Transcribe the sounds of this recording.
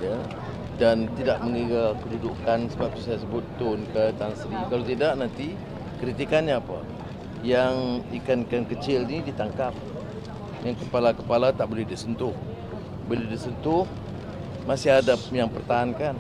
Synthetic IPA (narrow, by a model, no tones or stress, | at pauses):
ja | dant̪idaʔ̚məŋiɡakədudʊkansəbap̚t̪usajas̬əbʊt̪ːʊnkət̪aŋsədikalat̪idaʔnant̪i | kəɾit̪ikanɲaːpa̰ | jaŋikankankət͡ʃɪlnidit̪aŋkap̚ | jaŋkəpalakəpalat̪aʔbolɛhdisənt̪ʊh | bolɛhdisənt̪ʊh | masɪɦadapjaŋpərt̪aɦankan